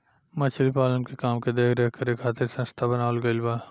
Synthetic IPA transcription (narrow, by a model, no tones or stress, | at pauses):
mɐt͡ʃʰlipaːlənkekaːmked̪eːkʰɾɛɦkəɾeːkʰːaːt̪ɪɾsɐ̃nst̪ʰabɐnaːʋəlɡɐlbaː